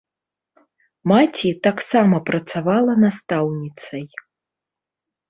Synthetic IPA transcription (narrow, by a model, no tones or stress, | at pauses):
mat͡sʲit̪aksamɐpɾɐt̪savalˠɐnast̪awnʲit̪sɐj